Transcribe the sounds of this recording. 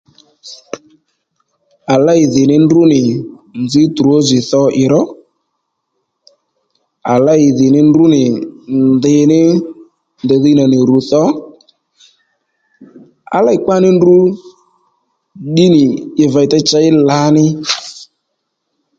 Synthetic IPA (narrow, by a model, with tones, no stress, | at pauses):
a˨la˦ɪ˨ðɪ˨nɪ˦ndu˦nɪ˨nd͡zɪ˦tu˨o˦zɪ˨θɔ˧ʔɪ˨ɾɔ˦ | a˨la˦ɪ˨ðɪ˨nɪ˦ndu˦nɪ˨nndɪ˨nɪ˦ | nd̪ɛ˨ði˧˦na˨nɪ˨ɾu˨˦θɔ˦ | a̰˨la˦ɪ˨ka˦nɪ˦ndu˦ | ɗi˦nɪ˨ɪ˨va˧i˨tɛ˦t͡ʃa˧ɪ˦la˨˦nɪ˦